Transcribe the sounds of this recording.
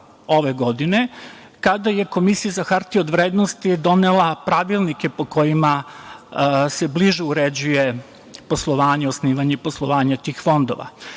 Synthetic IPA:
o̞ʋeɡo̞d̪ine̞ | kad̪aje̞ko̞misijazaxart̪iod̪ʋɾeːd̪nost̪id̪o̞nelˠapɾaʋilˠnike̞po̞ko̞jima | se̞bliʒɛuɾed͡ʑuje | po̞slˠoʋaːɲeosniːʋaɲeiposlˠoʋaːɲat̪iːxfo̞nd̪o̞̰ʋa̰

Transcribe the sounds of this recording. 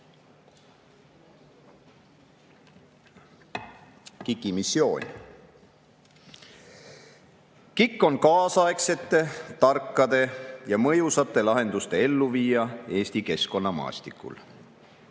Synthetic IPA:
kikːˑimisːjo̞̰ːnʲ | kikːo̞nkɑːsɑekse̞t̪ːe̞t̪ɑrkːˑɑd̪̥e̞jɑmɤjusɑt̪ːˑe̞lɑɦe̞nd̪ust̪e̞e̞lːuviːjɑe̞ːsʲt̪ike̞sko̞nːɑmɑ̰ːst̪ikːˑṵl

